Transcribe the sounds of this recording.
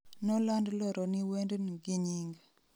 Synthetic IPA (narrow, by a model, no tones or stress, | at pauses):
nɔlandlɔɾʔɔniwendnɡiɲiŋɡ